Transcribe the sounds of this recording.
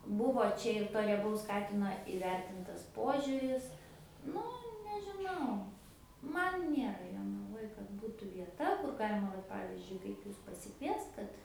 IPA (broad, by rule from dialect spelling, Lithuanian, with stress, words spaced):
ˈbʊʋoː ˈt͡ʃʲɛ ɪr toː rʲiɛˈbɐʊs ˈkɑːtʲɪnoː ɪˈʋʲɛrʲtʲɪntɐs ˈpoːʒʲʊrʲɪs ˈnʊ nʲɛʒʲɪˈnɐʊ ˈmɐn ˈnʲeːrɐ joːnɐˈʋoːj kɐt ˈbuːtuː ʋʲiɛˈtɐ kʊr ˈɡɑːlʲɪmɐ ˈʋɐt ˈpɑːʋʲɪzʲd͡ʒʲʊɪ kɐɪp ˈjʊs pɐsʲɪˈkʋʲiɛst ˈkɐt